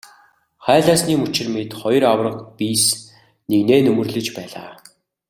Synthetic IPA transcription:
χæːɮaːsniːmɵt͡ɕɪ̆rmet̪χɔj̆rawrə̆qpiːs | neɣneːnɵmɵ̆rɮɘ̆t͡ɕpæːɮa̰ː

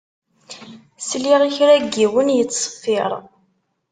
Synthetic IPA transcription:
sliʁiçɾæɡːiwənjət͡sːsˤə̥fːɪɾˤ

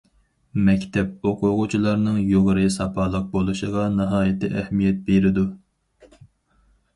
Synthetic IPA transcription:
mɛkʲt̪ʰɛp̚oqʰʊʁʊt͡ʃʰilˠɑɾnɨŋjoʁəɾɨsɑpʰɑːlˠəq̚bolˠuʃəʁɑnɨɦɑːjɪt̪ɪʔɛhmijɛt̪̚beɾɪd̪u

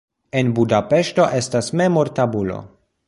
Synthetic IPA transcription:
e̞nbudape̞ʃto̞ʔe̞stasme̞moɾtabulo̰

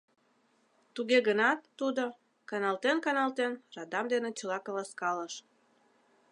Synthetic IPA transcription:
t̪uɣeɣənɑt̪ːud̪o | kɑnɑlt̪enkɑnɑlt̪enrɑd̪ɑmd̪enet͡ɕəlɑkɑlɑskɑləʃ

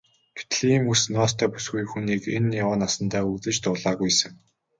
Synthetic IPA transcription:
ɡ̥t̪ʰɮimusnɔst̪ʰæːpu̥sɡujxuniːkenjawaːnasə̆nt̪ʰaːukt͡sɘ̆t͡ɕt̪ʊːɮaːɣujsə̆ŋ

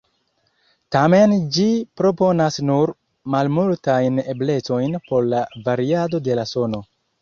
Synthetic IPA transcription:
tame̞nd͡ʒipɾo̞po̞nasnuɾ | malmultajne̞ble̞t͡so̞jnpo̞ɾlavaɾiado̞de̞laso̞no̞

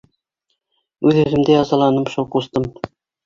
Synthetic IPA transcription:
ʉðʉðɘ̆md̪ɘjɑzɑlˠɑnɤmʃulqust̪ɤm

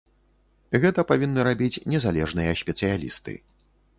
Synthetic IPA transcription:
ɣɛt̪ɐpavʲinːɨɾabʲit͡sʲnʲɛzalʲɛʐnɨjɐsʲpʲɛt̪sɨjalʲḭst̪ɨ̰

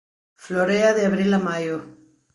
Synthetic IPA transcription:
floɾeaðeaβɾilamajo

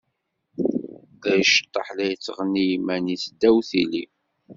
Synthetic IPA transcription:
æjʃə̥t̪ˤːɑħlæjt͡sːəʁnijmænisd̪ːæwθili

